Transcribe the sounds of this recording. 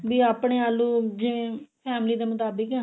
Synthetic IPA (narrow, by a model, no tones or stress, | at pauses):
biːaːpɳ̃eːaːlũːd͡ʒɪʋẽːpʰɛːmliːd̪eːmʊt̪aːbəkɛ